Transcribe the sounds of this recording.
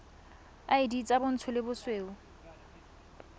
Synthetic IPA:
aidit͡sʼabʊn̩t͡sʰʊlɪbʊsweːʊ

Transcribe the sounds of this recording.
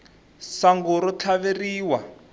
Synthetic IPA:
saŋɡuɾɔt͡ɬʰaβeriːwa

